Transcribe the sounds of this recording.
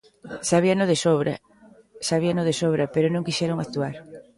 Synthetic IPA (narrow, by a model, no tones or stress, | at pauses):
saβianoðesoβɾa̰ | saβianoðesoβɾɐpeɾonõŋkiʃɛɾoŋakt̪uaɾ